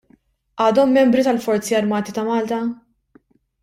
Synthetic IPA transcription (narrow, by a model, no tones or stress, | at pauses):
ʔɐːd̪ɔmːɛmbɾit̪ɐlfɔɾt͡siɐɾmɐːt̪it̪ɐmɐːlt̪ɐ